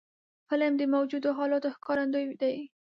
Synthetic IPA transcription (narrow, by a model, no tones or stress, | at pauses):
pəlamd̪əmawd͡ʒud̪oɦɑlɑt̪oxkɑɾand̪ojd̪aj